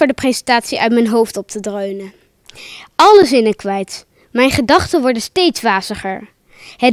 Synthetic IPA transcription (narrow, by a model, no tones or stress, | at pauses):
ʊːɹdəprejzəntaːtsiʔœ̰ɥt̚mɛjnɦowftɔp̚tʰədrøɥnə | ɑləzɪnəkʋɛjt | mɛjnχədɑχtənʋɔɹdəstejtsʋaːzəχəɹ | hɛ